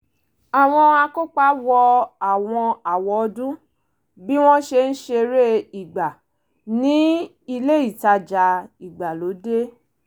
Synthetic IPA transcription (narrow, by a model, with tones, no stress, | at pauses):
a˨w̃ɔ̃˧a˧ko˦k͡pa˦wɔ˧a˨w̃ɔ̃˧a˨wɔ˧dũ˦ | bi˦w̃ɔ̃˦ʃe˧n̩˦ʃe˧ɾe˦i˨ɡ͡ba˨ | nĩ˨˦ | i˧le˦i˦˨ta˧d͡ʒa˧i˨ɡ͡ba˨lo˨˦de˦